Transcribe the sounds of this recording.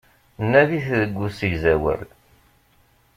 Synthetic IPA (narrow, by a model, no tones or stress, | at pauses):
nːæðiθðəɡʷːusiʝzæwə̰ɾ